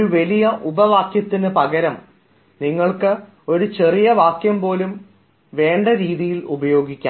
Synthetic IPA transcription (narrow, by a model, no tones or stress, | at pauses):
uʋɐlijɐʔubɐʋaːkjɐt̪ːinɨpɐɡɐɾɐm | niŋːɐɭkɨ | o̞ɾut͡ɕe̞rijɐʋaːkjɐmpo̞ːlum | ʋe̞ːɳɖɐɾiːðijilubɐjo̞ːɡikʲːa̰ː